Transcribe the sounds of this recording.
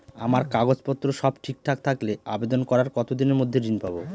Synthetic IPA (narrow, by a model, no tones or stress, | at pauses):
amaɾkaɡod͡ʑpɔt̪ːɾoʃɔbʈʰik̚ʈʰak̚t̪ʰakleabed̪onkɔɾaɾkɔt̪od̪ineɾmod̪ʱːedinpabo